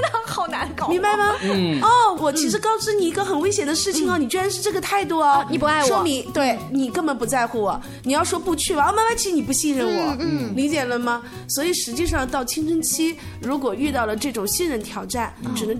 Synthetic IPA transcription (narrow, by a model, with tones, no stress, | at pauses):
xɑ˨˩ʊna˧˥kmi˧˥ŋba˥˧ɪmɐ˧ɔ˥˩wɔ˨˩t͡ɕʰi˧˥ʂɻ̩˧˥kɑ˥˩ʊʈ͡ʂɻ̩˥ni˨˩i˧˥ɡə˧xə˨˩nwe˥ɪɕjɛ˨˩nd̪ə˦ʂɻ̩˥˩t͡ɕʰi˨˩ŋə˩ni˨˩t͡ɕɥɛ˥ɻa˧˥nʂɻ̩˥˧ʈ͡ʂɤ˥˩ɡə˩t̪ʰa˥˩ɪt̪̬wɔ˥˧i˨˩pa˥˧ʂwɔ˥mi˧˥t̪we˥˩ɪni˨˩kɤ˥˧ŋpə˧˥npu˧˥t͡sa˥˧ɪxu˥˩wɔ˨˩˦ | ni˨˩jɑ˥˩ʊʂwɔ˥pu˥˧t͡ɕʰy˥˩bɐ˨ɔ˥˧˩ma˥nba˧˥ɪ˧˥ʂ̩˧˥ni˨˩p̬u˧˥ɕi˥˧nɻə˥˩nwɔ˨˩˦li˧˥t͡ɕjɛ˨˩lə˧˦mɐ˩ | swɔ˧˥i˨˩ʂɻ̩˧˥t͡ɕi˥˧ʂɑ˥˧ŋt̪ɑ˥˩ʊt͡ɕʰi˥nʈ͡ʂʰə˥ŋt͡ɕʰi˥ | ɻu˧˥k̬wɔ˨˩y˥˧t̪̬ɑ˥˩ʊlə˩ʈ͡ʂɤ˥˩ʈ͡ʂʊ˨˩ŋɕi˥˧nɻə˥˧nt̪ʰjɑ˨˧˩ʊʈ͡ʂa˥˩nʈ͡ʂɻ̩˨˩nə˧˥ŋ